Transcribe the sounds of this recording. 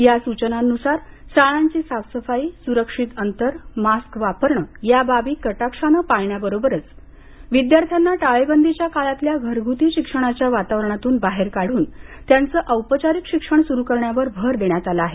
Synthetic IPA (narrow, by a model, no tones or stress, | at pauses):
jasut͡ɕənanusaɾ | saɭaɲt͡ɕiːsaʋsəfaiːsuɾəkʂit̪ənt̪əɾmaskʋapəɾɳəjababiːkəʈakʂanəpaɭɳjabəɾobəɾət͡s | ʋid̪jaɾt̪ʰjanːaʈaɭebənd̪ʱit͡ɕjakalat̪ljaɡʱəɾɡʱut̪iːɕikʂəɽ̃at͡ɕjaʋat̪aʋɾɳ̃at̪uːnbaɦeɾkaɽ̤uːnt̪jant͡səːʔəwpət͡ɕaɾikɕikʂəɳsuɾukəɾɳjaʋəɾbʱəɾd̪eɳjat̪alaaɦe